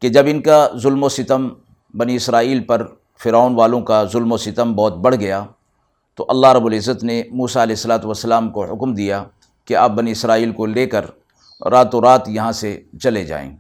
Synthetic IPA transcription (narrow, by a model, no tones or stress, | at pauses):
ked͡ʒɐbɪnkazʊlmosɪt̪əm | bɐniɪsɾaːiːlpɐɾ | fɪɾaːnʋaːlõkazʊlmosɪt̪əmbɔːt̪̚bɐɽ̤ɡɐjaː | t̪oʔɐlːaɦɾɐbʊlɪzːət̪nemuːsaɐlɛːɪsːɐlaːt̪ʋəsːəlaːmkoɦʊkmd̪ija | kea̰ːp̚bɐniɪsɾaːiːlkoleːkɐɾ | ɾaːt̪oɾaːt̪jɐɦãset͡ʃɐled͡ʒa̰ːḛ̃ː